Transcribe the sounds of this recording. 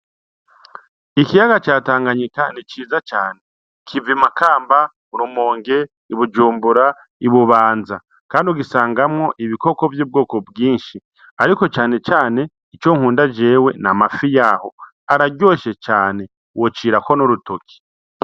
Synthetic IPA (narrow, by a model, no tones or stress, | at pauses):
ikijaɡat͡ʃaːtaːŋɡaɲikanit͡ʃiːzat͡ʃaːne̞ | kʰivimakaːmba | uɾumo̞ːŋɡe̞ | iβud͡ʒuːmbuɾa | iβuβaːnza | kaːndiuɡisaːŋɡamŋo̞ʔiβiko̞ko̞vjuːb̚ɡoːko̞bɡiːnʃi | aɾiko̞t͡ʃaːne̞t͡ʃaːne̞ | it͡ʃoːŋ̥huːndad͡ʒe̞we̞namafijaho̞ | aɾaɟo̞ːʃe̞t͡ʃaːne̞ | wot͡ʃiːɾako̞noɾutokʰi̥